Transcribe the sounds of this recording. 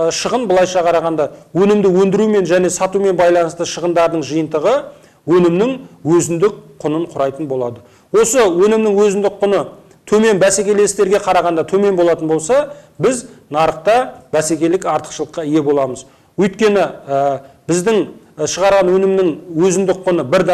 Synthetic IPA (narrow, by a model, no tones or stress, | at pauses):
ʃəʁənbəlˠɑjʃɑqʰɑɾɑʁɑnd̪ɑwɵnɪmd̪ɪwɵnd̪ɪɾume̞nʒæne̞sɑt̪ume̞nbɑjlˠɑnəst̪əʃəʁənd̪ɑɾd̪əɴʒəjənt̪əʁə | wɵnɪmnɪŋwɵzɪnd̪ɪk̚qʰːʊnəɴqʰʊɾɑjt̪ənbo̞lˠɑd̪ə | wo̞səwɵnɪmnɪŋwɵzɪnd̪ɪk̚qʰːʊnə | t̪ʰɵme̞nbæse̞kʲe̞le̞st̪e̞ɾɡʲe̞qʰɑɾɑʁɑnd̪ɑt̪ʰɵme̞nbo̞lˠɑt̪ənbo̞lˠsɑbɪznɑɾəqt̪ɑbæse̞kʲe̞lɪkɑɾt̪ə̥qʃəlˠəqːɑije̞bo̞lˠɑməz | wɵjt̪kʲe̞nɪəbɪzd̪ɪŋ | ʃəʁɑɾʁɑnwɵnɪmnɪŋwɵzɪnd̪ɪk̚qʰːʊnəbɪɾd̪